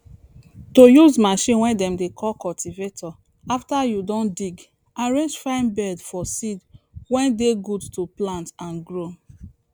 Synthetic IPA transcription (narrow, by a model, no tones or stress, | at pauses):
tojuzmaʃĩnwɛ̃ndɛ̃mdekʰɔlkɔltʰivetʰɔ | aftajudɔ̃ndiɡ | aɹẽnd͡ʒfãɪ̃nbɛdfɔsidwɛ̃ndeɡudtoplãntãnɡɹo